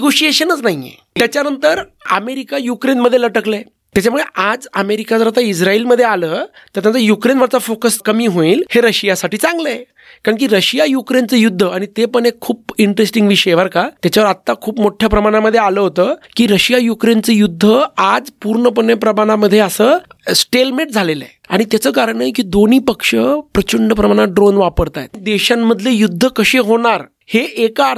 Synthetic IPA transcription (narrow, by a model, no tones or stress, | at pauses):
eɡoɕieɕənət͡snaɦiḛ | t̪jat͡ɕjanənt̪əɾ | ə̰meɾikajukɾenməd̪ʱːjeləʈəkle | t̪jat͡ɕamuɭeʔad͡zəmeɾikad͡zəɾat̪aid͡zɾailməd̪ʱːjealəː | t̪əɾt̪jãt͡səjukɾenʋəɾt͡safokəskəmiːɦoiːlheɾəɕijasaʈʰiːt͡sãŋɡləe | kaɾəɳk̬iːɾəɕijajukɾent͡səjud̪ʱːəaɽ̃it̪epəɳekʰːuːpiɳʈɾesʈiŋɡʋiɕəeʋəɾkat̪jat͡ɕaʋəɾat̪ːakʰuːpmoʈʰjapɾəmaɽ̃aməd̪ʱːjealəːɦot̪əːkiːɾəɕijajukɾent͡səjud̪ʱːəad͡zpuɾɳəp̬əɳjapɾəmaɽ̃aməd̪ʱːjeəsəːsʈelmeʈ̚d͡zʱaleləea̰ɽ̃it̪jat͡səːkaɾəɳək̬iːd̪on̤iːpəkʂəpɾət͡ɕuɳɖəp̬ɾəmaɽ̃aɖɾonʋapəɽt̪aj̰t̪d̪eɕamːəd̪ʱlejud̪ʱːəkəɕeɦoɽ̃aɾ | heʔeka